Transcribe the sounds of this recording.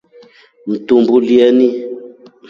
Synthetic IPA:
m̩tumbuljɛni

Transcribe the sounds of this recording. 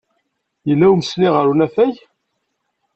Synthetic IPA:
jəlːæwməsniʁəɾunæfæj

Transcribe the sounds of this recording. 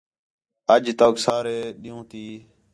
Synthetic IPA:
əd͡ʒt̪oːksaːɾeːɗɪjũːt̪iː

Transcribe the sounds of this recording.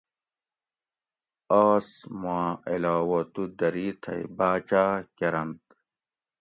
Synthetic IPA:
aːsmãːilaːwɐt̪ud̪ɐɾiːt̪ʰɐ̰jbaːt͡ɕaːkeɾɐnt̪

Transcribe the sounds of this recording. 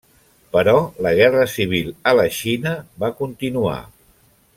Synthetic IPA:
pəɾɔləɣ̞ɛrəsiβ̞ilˠələʃinəβakunt̪inua̰

